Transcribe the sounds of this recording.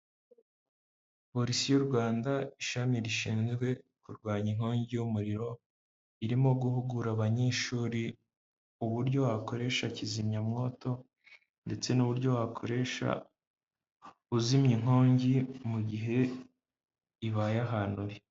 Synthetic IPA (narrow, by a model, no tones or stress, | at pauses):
po̞ɾisijuɾɡwaːndaiʃamiɾiʃiːnzɡwe̞kuɾɡwaːɲiŋ̥oːɲɟijumuɾiɾo̞ | iɾimo̞ɡuhuɡuɾaβaɲeʃuːɾi | uβuɾɟo̞wako̞ɾe̞ʃacizimɲamŋo̞ːto̞ | nde̞t͡se̞nuβuɾɟo̞wakʰo̞̰ɾe̞ʃa̰ | uzimɲiŋ̥ho̞ːɲɟimuɟiɦe̞ | iβajaɦaːnuɾi